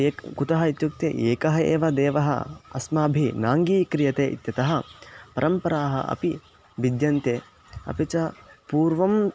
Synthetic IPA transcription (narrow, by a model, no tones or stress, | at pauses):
eːkkut̪ɐɦɐit̪juk̚t̪ḛːʔeːkɐɦɐḛːʋɐd̪eːʋɐɦɐ̰ɐsmaːbʱinaːŋɡiːkɾijɐt̪eːʔit̪jɐt̪ɐɦɐ̆pɐɾɐmpɐɾaːɦɐ̰ʔɐ̰pi | ʋid̪jɐnt̪eː | ɐ̰pit͡ʃɐpuːɾʋɐm